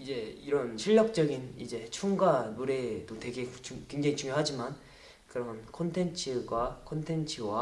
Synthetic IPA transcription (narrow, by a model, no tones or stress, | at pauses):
id͡ʑe̞iɾʌnɕʰiʎːʌk̚t͡ɕ͈ʌɡinid͡ʑe̞t͡ɕʰuŋɡanuɾe̞dotwe̞ɡe̞t͡ɕukwe̞ŋd͡ʑaŋit͡ɕuŋjoɦad͡ʑiman | kɯɾʌmʌnkʰontʰe̞nt͡ɕʰɯɡwakʰontʰe̞nt͡ɕʰɯwa